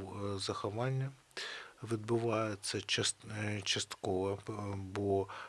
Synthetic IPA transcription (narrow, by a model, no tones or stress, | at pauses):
wzɐxɔʋɑnʲːɐ | ʋʲid̪bʊʋɑjet͡sʲːɐt͡ʃɐt͡ʃɐst̪kɔʋɐbɔ